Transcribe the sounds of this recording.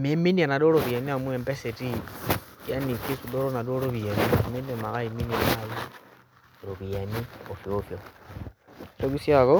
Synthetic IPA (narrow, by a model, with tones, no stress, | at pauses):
mi˦mi˦ni˦a˨na˨do˦ɾo˨βje˨ni˦a˦˨mwe˨mbe˦se˨ti˦ja˦ni˨ki˦su˨do˦ɾo˦na˨do˦ɾo˦βi˨e˨ni˦˨mi˦ne˨ma˨ka˦i˨mi˦ni˨a˨ma˦ji˦˨ | ɾo˨βi˨a˨ni˦o˨fjo˦fjo˨ | to˦ki˦sja˦ko˦